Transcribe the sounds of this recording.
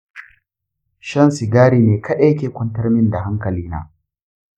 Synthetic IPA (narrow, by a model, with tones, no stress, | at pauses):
ʃɐ˦nsɪ˨ɡaː˦ɾiː˨meː˨kʰa˦ɗɛ˦kʲeː˨kʷɐ˦ntɐ˦rmɪ˦nda˨ɦa˦ŋkɐ˨liː˦na̰ː˦